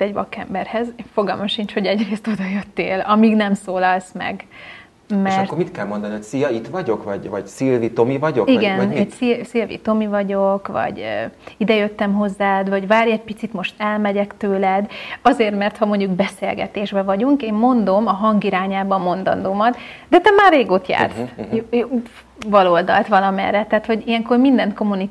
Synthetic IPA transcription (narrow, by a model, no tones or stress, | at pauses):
t̪ːɛɟbɒ̰kːɛ̰mbɛrhɛzfo̞ɡɒ̰lmɒʃiɲt͡ʃho̞ɟɛɟreːst̪o̞d̪ɒjøt̪ːḛːlɒmiːɡnɛmsoːlɒlsmɛ̰ɡ | meɛʃrkoɾmit̪kɛlmo̞nd̪ɒnihocsijɒit̪vɒɟo̞kvɒɟvɒɟsilvit̪o̞mivɒɟokiɡɛnsilsilvḭt̪o̞mivɒɟo̞kvɒ̰ɟøid̪ɛjøt̪ːɛmɦo̞zːaːd̪vɒɟvaːɾjɛc̚pit̪sit̪mo̞ʃt̪ɛlmɛɟɛkt̪øːlɛd̪ɒzeːrt̪mɛrt̪hɒmo̞ɲɟuɡbɛseːlɡɛ̰t̪eːʒbɛvɒɟuŋkeːmmo̞nd̪o̞mɒɦɒŋɡiɾaːɲaːbɒmo̞nd̪ɒ̰nd̪omɒt̪d̪ɛt̪ɛmaːrːeːɡoːt̪ja̰ːrsjjo | vɒloːld̪ɒ̰lt̪ʋɒlɒmɛ̰rːɛt̪aːt̪ho̞ɟijɛŋko̞rmind̪ɛnt̪ko̞muni